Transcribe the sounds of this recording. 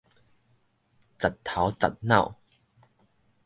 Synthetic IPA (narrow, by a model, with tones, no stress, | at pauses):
t͡sɐ˨˩tt̪ʰa˨˥wt͡sɐ̰˨˩t̚na̰˥˨w